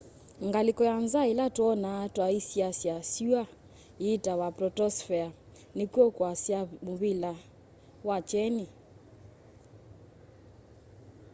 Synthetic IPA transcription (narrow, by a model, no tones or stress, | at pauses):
ŋɡalikɔjanzailatwɔnatwaisiasjasua | itawapɾɔtɔsfɛa | nikuɔkwasjamuβila | wat͡ʃɛni